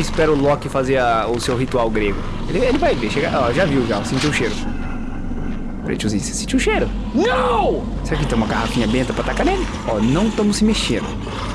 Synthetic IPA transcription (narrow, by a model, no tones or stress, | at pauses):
ispɛɾɐʊlɔkɪfazeɾɐʊsewɦit̪uawɡɾeɡʊ | elɪelɪvajveʃeɡa̰ʔɔʒaviwʒasẽnt͡ʃiʊʃeɾʊ | pɾɐḛ̃t͡ʃuzise̥sẽt͡ʃiʊʃejɾʊ | nɐw̃ | sakɪt̪ẽũmɐɡahafĩɲɐbẽt̪ɐpɾat̪akanẽlɪ | ɔnɐ̃w̃t̪ɐ̃mʊsːɪmeʃẽnd̪ʊ